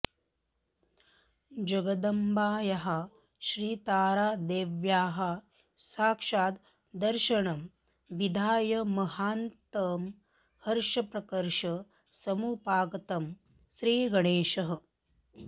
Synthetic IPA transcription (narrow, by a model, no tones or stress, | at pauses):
d͡ʒɐɡɐd̪ɐmbaːjɐɦɐ | ʃɾiːt̪aːɾaːd̪eːʋjaːɦɐ | saːkʂaːt̪ | d̪ɐɾʃɐɳɐm | ʋid̪ʱaːjɐmɐɦaːnt̪ɐːm | hɐɾʃɐpɾɐkɐɾʃɐ | sɐmupaːɡɐt̪ɐm | ʃɾiːɡɐɽeːʃɐɦɐ̆